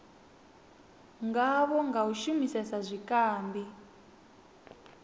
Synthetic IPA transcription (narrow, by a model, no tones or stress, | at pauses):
ŋɡaβɔŋɡawuʃumisɛsazʷikaːmbi